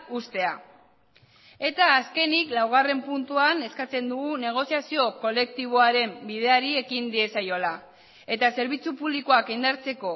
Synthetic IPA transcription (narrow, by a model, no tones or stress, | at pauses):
ust̪e̞a | e̞t̪aːske̞niklawɣ̞are̞mpunt̪uane̞skat͡se̞nd̪uɣune̞ɣ̞o̞siasio̞ko̞le̞k̚t̪iβ̞o̞aɾe̞mbið̞e̞aɾie̞kind̪ie̞sajo̞la | e̞t̪ase̞ɾβ̞it͡supuβlikoakind̪aɾt͡se̞ko̞